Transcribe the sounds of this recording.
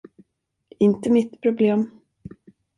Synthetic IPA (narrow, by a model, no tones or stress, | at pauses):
ɪnt̪əmɪt̪pʰɾʊbleːm